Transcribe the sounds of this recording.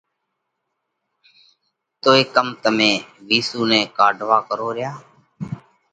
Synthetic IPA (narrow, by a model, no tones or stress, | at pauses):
t̪oːeːkəmt̪əmẽːʋiːsuːnẽːkaːɖʱʋaːkəɾoːɾɪjaː